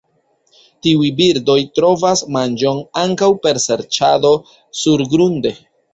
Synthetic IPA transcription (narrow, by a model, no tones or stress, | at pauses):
tiujbiɾdo̞jtɾo̞vasmand͡ʒo̞naŋkawpe̞ɾse̞ɾt͡ʃado̞ | suɾɡɾunde̞